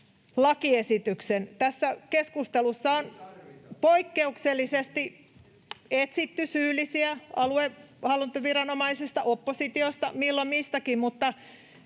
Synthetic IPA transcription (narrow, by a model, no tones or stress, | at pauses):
lɑkiesit̪yksent̪æsːækeskust̪elusːɑonpoikːeukselːisest̪i | et̪sit̪ːysyːlːˑisiæɑluehɑlːint̪oʋirɑnomɑisist̪ɑʔopːosit̪iost̪ɑmilːommist̪ækimmut̪ːɑ